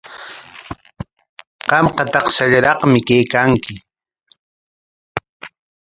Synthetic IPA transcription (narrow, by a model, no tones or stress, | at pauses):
qɑmqɑt̪ɑqsaʎaɾɑqmɪkejkaŋkɪ